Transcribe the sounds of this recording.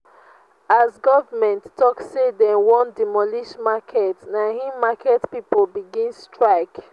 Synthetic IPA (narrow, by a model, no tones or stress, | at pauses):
azɡɔvəmɛ̃nttːɔksedɛ̃nwɔ̃ndimɔliʃmakʰɛtnahĩmakɛtpipɔlbiɡĩnstʰɹaɪk